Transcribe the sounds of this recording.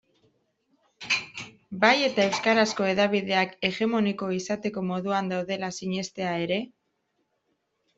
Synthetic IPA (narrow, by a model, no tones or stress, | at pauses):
baje̞t̪ae̞wskaɾasko̞e̞ðaβiðe̞ake̞ɣe̞mo̞niko̞isat̪e̞ko̞mo̞ðuand̪awðe̞lasiɲe̞st̪e̞ae̞ɾe̞